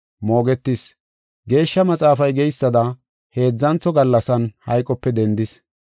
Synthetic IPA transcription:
mo̞ːɡɛt̪ːɪs | ɡe̞ːʃːɐmɐt͡sʼaːfɐjɡɛjsːɐd̪ɐ | he̞ːd͡zːɐnt͡sːɔɡɐlːɐsɐnhɐ̰jkʼːɔpːɛd̪ɛnd̪ɪs

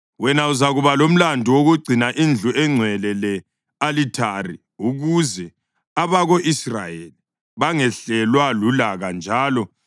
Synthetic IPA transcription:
wɛnauzaɣuβalom̩landʱiwoɣuɡ͡ǀʱinaʔind͡ɮʱuɛŋ͡ǀʱwɛlɛlɛ | alitʰarḭ | uɣuzɛ | aβaɣoʔisra̰jeli | βaŋɛɬɛlwalulaɣand͡ʒʱaːlɔ

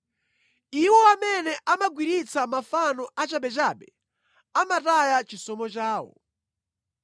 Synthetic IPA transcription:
iwɔamɛnɛʔamaɡwiɾit͡sʰamafanɔʔat͡ʃaɓɛt͡ʃaːɓɛ | amatajat͡ʃisɔmɔt͡ʃaːwɔ̰

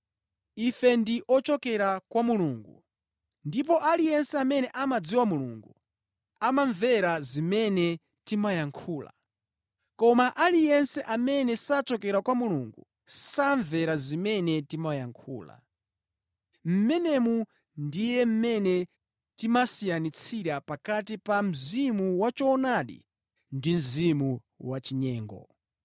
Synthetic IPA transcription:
ifɛndiʔɔt͡ʃɔkɛɾakwamuluːŋɡu | ndip̬ɔʔalijɛnsɛamɛnɛʔamad͡ziwamulṵŋɡu | amaɱvɛɾazimɛnɛ | timajaŋkʰuːla̰ | kɔmaʔalijɛnsɛʔamɛnɛsat͡ʃɔkɛɾakwamuluŋɡu | saɱvɛɾazimɛnɛtimajaŋkʰṵːla̰ | m̩mɛnɛmu | ndijɛm̩mɛnɛ | timasijanit͡sʰiɾapakatipam̩zimuwat͡ʃɔnaɗḭ | ndim̩zimu | wat͡ʃiɲɛːŋɡɔ̰

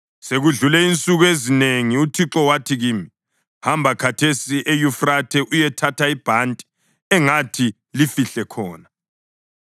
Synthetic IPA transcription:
seɣuɮulɛint͡sʼuɣuezineŋiutʰiǁɔwatʰiɣiːmi | hambʱakʰatʰesiʔejufratʰɛʔujɛtʰatʰaib̥ʱantʼi̥ | ɛŋatʰi | lifiɬɛkʰɔːna

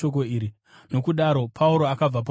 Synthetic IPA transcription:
ok̬o̞iːɾi | no̞kuɗaɾo̞pʰauɾo̞akab͡vap̬a

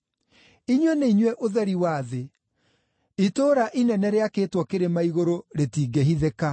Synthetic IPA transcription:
iɲwɛneiɲwɛʔoðɛɾiwaːðe | itoːɾaʔinɛnɛɾeakeːtwɔkeɾemaiɣoɾoɾetiːɡeɦiðeka

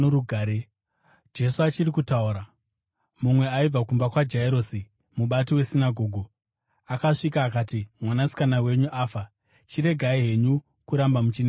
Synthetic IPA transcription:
oɾuɡʱaːɾe | d͡ʒe̞suat͡ʃiɾikutauɾa | mumwe̞aib͡vakumbakwad͡ʒaiɾo̞si | muɓatiwe̞sinaɡʱo̞ːɡʱo | akaʂikaːkaːtimwanasi̥kanawe̞ɲuʔaːfa | t͡ʃiɾe̞ɡʱaiɦe̞ɲu | kuɾambamut͡ʃine

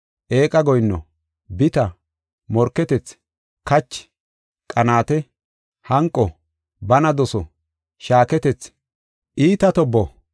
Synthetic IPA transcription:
ʔeːkʼɐɡɔjnːɔ̰ | bɪt̪ɐ | mɔɾkːɛt̪ɛt͡s | kɐt͡ʃːɪ̥ | kʼɐnaːt̪ɛ | hɐŋkʼːɔ | bɐnɐd̪ɔsɔ | ʃaːkɛt̪ɛt͡s | ʔiːt̪ɐt̪ɔbːɔ

